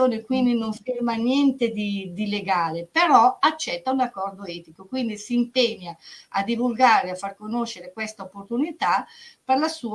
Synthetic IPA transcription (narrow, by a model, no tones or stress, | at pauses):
oːnekwind̪inoɱfirmanjɛnt̪ed̪id̪ileɡaːlepeɾɔat͡ʃːɛt̪ːaunakːɔrd̪oɛt̪ikokwind̪isiːmpeɲːaad̪ivulɡaːɾeafːarkonoʃːeɾekwɛst̪aopːort̪unit̪aperlasuː